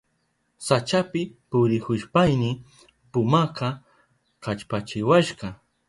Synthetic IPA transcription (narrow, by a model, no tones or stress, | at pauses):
sat͡ʃapɪpʊɾɪkʊʃpajnɪ | pʊmaqɑ | kat͡ʃpat͡ʃɪwaʃɢɑ